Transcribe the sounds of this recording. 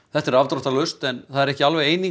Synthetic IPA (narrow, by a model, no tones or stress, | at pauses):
θɛht̪ɛɾavt̪ɾɔht̪alʏst̪ɛnθaðɛɾɛhcɪalvɛejniŋ